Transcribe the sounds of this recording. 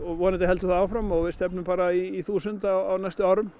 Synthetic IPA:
ɔʋɔːnɪt̪ɪɦɛlt̪ʏθaaːwfɾamːɔwvɪst̪ɛpnʏpaːɾaiːθuːsʏnt̪aawawnajst̪ʏawɾʏm

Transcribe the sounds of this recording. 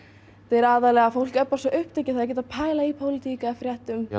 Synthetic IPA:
t̪eɾaːðalɛɣafowl̥kœpnasɔʔʏhpt̪ecːɪ̥θaðɾcɛt̪aðpʰaːjlaipʰowlɪt̪ʰiːkaɛfɾjɛht̪ʏm

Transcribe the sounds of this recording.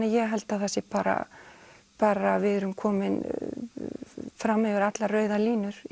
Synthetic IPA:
ɪjɛɦɛlt̪aðθɛsːɪpaːɾa̰ | paːɾavɪðɾʏmkʰɔːmɪn | fɾamhɛvɪɾat̪larœːɥðaliːnʏɾ̥

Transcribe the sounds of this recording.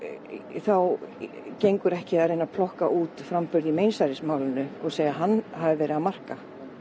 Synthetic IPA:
θaw | cejŋkʏɾɛhcɪðaɾejnapʰlɔhkaʔuːt̪fɾampʏɾðimeːjnsajɾɪsmaːwlɪnʏɔɣseːjɣaɦanːɦavɪvɛːɾɪamar̥ka

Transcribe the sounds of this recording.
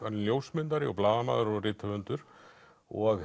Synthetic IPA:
anljowsmɪnt̪aɾɪɔ̰plaːðama̰ːðʏɾɔɣrɪːt̪ʰavʏnt̪ʏɾ̥ | ɔɣ

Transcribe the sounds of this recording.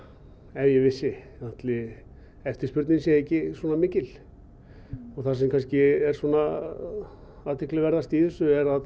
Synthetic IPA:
ɛðjɛvɪsːɪaht̪lɪ | ɛft̪ɪ̥spʏɾt̪nɪnsjɛehcːɪswɔːnamɪːcɪl | ɔɣθasɛmkʰanscɪɛɾ̥swɔːna | aːt̪ʰɪklɪvɛɾðast̪iːðɪsʏɛɾað

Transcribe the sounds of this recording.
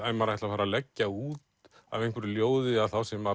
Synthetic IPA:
ajmaɾajht̪lafaːɾalɛcːauːt̪ | a̰vejŋkʰvɛɾɪljoːwðɪaðθawsɛma

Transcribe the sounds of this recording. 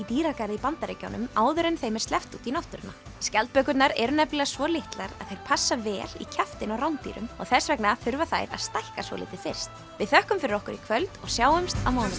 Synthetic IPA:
it̪iːɾakaɾɪipant̪aɾeca̰wnʏmaːwðʏɾɛnθejmɛɾ̥st̪ɛft̪uːt̪inaft̪ʏɾɪnːa̰ | scɛlt̪̚pœːkʏɾt̪naɾɛɾʏnɛplɛɣasvɔlɪht̪laɾa̰ðθejɾ̥pʰasːavɛːlḭcʰaft̪ɪnawɾawnt̪ḭːɾʏ̰mɔ̰ɣθɛsvɛknaθʏɾvaθajɾa̰ðst̪ajhkasvɔ̰lɪ̰ːt̪ɪfɪr̥st̪ | vɪðθœhkʏmfɪɾɪɾɔhkʏɾikʰvœlt̪ɔɣsjaːwʏmst̪awmaːwn

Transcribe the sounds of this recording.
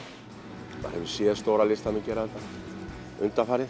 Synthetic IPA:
ma̰ɾhɛvɪ̥sjɛðst̪owɾalɪst̪amɪcɛɾaɛnt̪a | ʏnt̪afaːɾɪ

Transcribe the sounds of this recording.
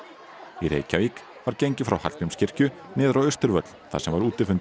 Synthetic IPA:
iɾḛːjcavik | vaɾceɲcɪfɾawha̰t̪t̪nʏmscɪr̥cʏnɪːðɾawʏst̪ʏɾvœt̪l̥θa̰sɛmvaɾuːt̪ɪfʏnt̪

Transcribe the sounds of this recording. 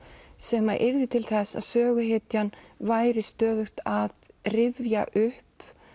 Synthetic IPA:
sɛmaʔɪɾðɪt̪ʰɪlθɛsːa̰ðsœːɣʏɦɪt̪janvaːjɾɪst̪œːðʏxt̪aðrɪvja̰ʔʏhp

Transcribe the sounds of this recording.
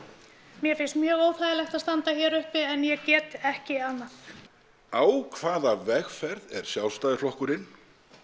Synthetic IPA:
mjɛfɪnst̪mjœːɣoːwθajðɪlɛxt̪aðst̪ant̪açɛːɾʏhpɪɛnjɛcɛːt̪ɛhcɪanːaθ | aːwkʰvaːðavɛxfɛɾðɛ̰ɾ̥sjaw̪st̪aːjðɪflɔhkʏɾɪn

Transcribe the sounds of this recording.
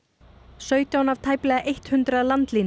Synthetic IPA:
sœːɥt̪jawnavt̪ʰaːjplɛːɣaʔejht̪hʏnt̪ɾaðlant̪liːn

